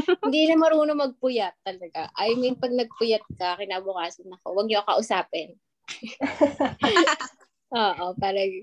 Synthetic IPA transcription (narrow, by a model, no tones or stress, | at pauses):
hɪnd̪iːlɐmɐɾuːnomɐɡ̚pʊjɐt̪ːɐlɐɡaʔajŋmojʊŋpɐɡ̚nɐɡ̚pʊjɐt̪̚kɐkɪnaːbʊkaːsɐnɐko̞wɐɡ̚ɲokɐʔʊsaːpɛn | ʔoːʔopaːɾɐŋ